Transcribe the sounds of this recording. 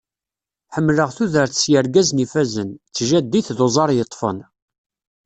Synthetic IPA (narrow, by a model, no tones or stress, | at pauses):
ħəmːləʁθuðəɾθəsjəɾɡæznifæzənt͡sːʒæd̪ːiθðozˤɑɾˤjət̪ˤːfə̰n